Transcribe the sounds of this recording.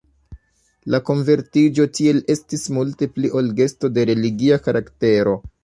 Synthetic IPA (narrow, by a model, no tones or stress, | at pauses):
lako̞nve̞ɾtid͡ʒo̞tie̞le̞stismulte̞pliʔo̞lɡe̞sto̞de̞ɾe̞liɡiakaɾakte̞ɾo̞